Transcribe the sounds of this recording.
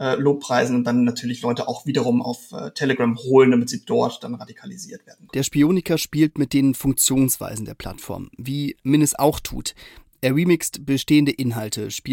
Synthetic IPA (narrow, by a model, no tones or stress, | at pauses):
ʔɛːloːpʁ̥aɪzn̩ʊntd̥anːatʰyːɐlɪçlɔʏtəʔaʊxv̥iːdɐʁʊma̰ʊfʔɛ̰ːtʰɛləɡʁamhoːləndamɪtz̥iːd̥ɔɐtd̥anʁadikʰalizḭːɐtv̥eːɐdn̩kd̥eːɐʃpioːnɪkɐʃpiːltmɪt̚d̥eːnfʊŋk̚t͡sjoːnsv̥a̰ɪzn̩deːɐpʰl̥a̰tfɔ̰ɐmviːmɪnəsʔa̰ʊxtʰṵːtʔeːɐʁiːmɪkstb̥əʃteːəndəʔɪnɦaltʰəʃpiː